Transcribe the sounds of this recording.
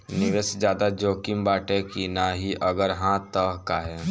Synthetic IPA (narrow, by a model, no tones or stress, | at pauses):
nɪʋesd͡ʒjaːd̪ad͡ʒoːkɪmbaːʈekinaːɦiʔɐɡəɾɦãt̪əɦkaɦɛː